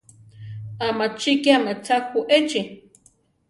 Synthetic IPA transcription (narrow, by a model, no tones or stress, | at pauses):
amat͡ʃikjaŋat͡sakuʔet͡ʃi